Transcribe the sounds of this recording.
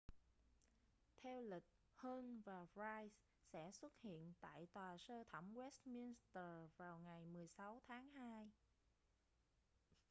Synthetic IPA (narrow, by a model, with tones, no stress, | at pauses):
t̪ʰɛ˧wlï˨˩k̚ | həː˧nvaː˨˩ɹaː˧js | sɛ̰˧˥swə˦˥t̚hḭ˧˨ənt̪a̰ː˧˨jt̪waː˨˩səː˧t̪ʰə˧˩wŋ͡mwɛ˦˥st̚mi˧nst̪əː˨˩vaː˨˩wŋa˨˩jmɨ˨˩əjsa˨˦wt̪ʰaː˨˦ŋhaː˧j